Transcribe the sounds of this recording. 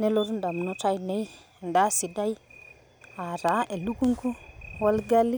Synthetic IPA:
nɛ˦lɔ˦ɾu˦nda˨m˨nɔ˨˦ta˦jnɛ˨˦j | nda˦si˨da˦j | a˨ɾa˨˦ʔe˨lu˦ku˦ŋku˦wa˦lɡa˦li˦

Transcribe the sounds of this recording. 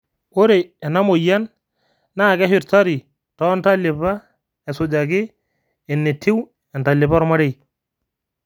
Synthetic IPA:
o˦ɾe˨ɛ˨na˦mo˨ja˦n | naː˦˨kɛ˦ɦɪ˨ɾta˦ɾɪ˨ | tɔ˦nta˦lɪ˨pa˦ | ɛ˨sʊ˨d͡ʒa˨kɪ˦ | ɛ˨ne˨tʰːɪ˦w | ɛ˨nta˨lɪ˨pa˦ɾma˦ɾɛ˦j

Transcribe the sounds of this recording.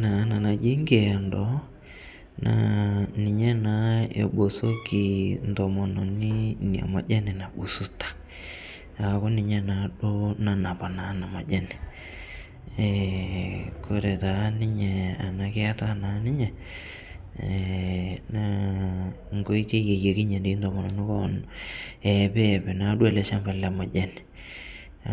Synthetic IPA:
na˨˦na˨na˨d͡ʒe˦ŋɡe˨a˨ndɔ˨˦ | na̰˨ni˨ɲɛ˦na˨˦ḛ˨ɓo˨so˦ki˨ntɔ˨mɔ˨nɔ˨ni˦ni˨a̰˨ma˨d͡ʒɛ˦nɛ˨na˨ɓu˨su˦tḁ˨ | a˨ko˦ni˨ɲɛ˦na˨˦ɗo˦na˨na˨pa˨na˨˦na˨ma̰˨ʄɛ˦nɛ˨ | ɛ | kʰo˦ɾɛ˨ta˨˦nɪ˦ɲɛ˨a˨na˦kɪ˦a˦ta˦na˨˦nɪ˦ɲɛ˨ | na˦ | ŋɡo˦i˦te˦je˨je˨kɪ˦ɲɛ˨nde˨i˦ndɔ˨mɔ˨nɔ˨nɪ˦kɔ˦n | ɛ˨pɛ˦˨pɛ˨na˨˦ɗu˦a˦lɛ˨ʃa˦mpɛ˨la˨ma˨ʄɛ˦nɛ

